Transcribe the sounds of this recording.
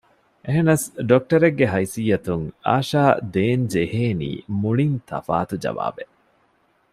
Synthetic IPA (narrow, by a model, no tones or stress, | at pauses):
ʔeɦenɐsɖok̚ʈɐɾeɡːeɦɐjsijːɐt̪uŋa̰ːʃaːd̪eːnd͡ʒeheːnḭːmuɭint̪ʰɐ̰fa̰ːt̪ud͡ʒɐ̰ʋa̰ːbe